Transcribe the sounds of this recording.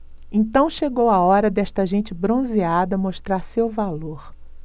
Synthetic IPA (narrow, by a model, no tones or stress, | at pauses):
ẽnt̪ɐ̃w̃ʃeɡowaɔɾɐd̪ɛʃt̪ɐʒẽnt͡ʃɪbɾõziad̪ɐmoʃt̪ɾaɾsewvaloɾ